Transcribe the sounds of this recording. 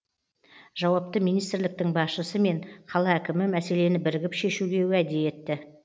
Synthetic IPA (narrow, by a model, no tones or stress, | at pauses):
ʒ̥ɑwɑp̚t̪əmijnijst̪ɪɾlɪk̚t̪ɪŋbɑsʃəsəme̞ɴqʰɑlˠɑækʲɪmɪmæse̞le̞nɪbɪɾɪɡʲɪpʃe̞ʃuɡʲe̞wæd̪eje̞t̪ːɪ